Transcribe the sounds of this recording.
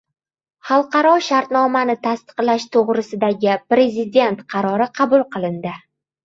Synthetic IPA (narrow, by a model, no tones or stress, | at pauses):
χɑlˠqɑɾɒʃaɾt̪nɒmanɪt̪ʰast̪ɨ̥qlaʃt̪ʰoʁɾɪsɪd̪aɡʲɪpɾe̞zɪd̪e̞nt̪qʰɑɾɒɾɪqʰɑbʊlˠqɨlˠɪnd̪ɪ